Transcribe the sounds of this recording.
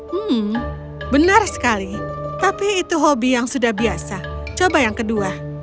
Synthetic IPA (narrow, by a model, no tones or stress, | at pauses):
m̩h̩ | bənarsə̥kalit̪apiːt̪uɦobijaŋsudahbiasat͡ʃobajaŋkədua